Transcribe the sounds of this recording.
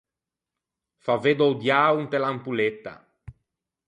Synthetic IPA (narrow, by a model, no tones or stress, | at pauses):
faved̪ɔwd̪jaːunt̪elampulet̪ːa̰